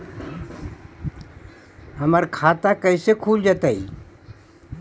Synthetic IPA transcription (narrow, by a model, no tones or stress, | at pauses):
ɦəməɾkʰaːt̪akəɪsekʰuːld͡ʒaːt̪aḭ